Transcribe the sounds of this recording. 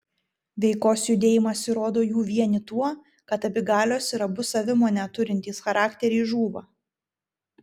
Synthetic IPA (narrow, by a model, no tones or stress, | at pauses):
ʋʲɛɪkoːsjʊd̪ʲeːjɪmɐsʲɪɾoːd̪oːjuːʋʲiɛnʲɪt̪uɔ | kɐt̪ɐbʲɪɡɑːlʲoːsɪɾɐbʊsɐʋʲɪmoːnʲɛt̪ʊɾʲɪnʲt̪ʲiːsxɐɾɑːkt̪ʲɛɾʲɛːʒuːʋɐ̰ː